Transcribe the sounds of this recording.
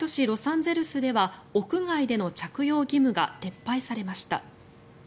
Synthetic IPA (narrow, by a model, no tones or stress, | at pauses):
t̪o̞ɕiɾo̞sãnd͡ze̞ɾɯ̟sɨd̪e̞βaokɯ̟ŋaid̪e̞no̞t͡ɕakɯ̟jo̞ːɡʲimɯ̟ɡa̰t̪e̞pːaisaɾe̞maɕi̥t̪a̰